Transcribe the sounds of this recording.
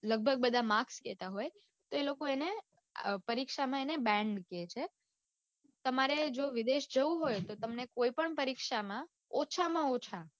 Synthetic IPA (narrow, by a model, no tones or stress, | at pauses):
ləɡ̚bʱəɡ̚bəd̪ʱamãksket̪aɦoj | t̪oelokoene | pəɾikʃamãenebɛ̃ɳɖket͡ʃʰe | t̪əmaɾed͡ʒoʋid̪eʃd͡ʒəuɦojt̪ot̪əmnekoipəɳpəɾikʃamã | ot͡ʃʰamãot͡ʃʰa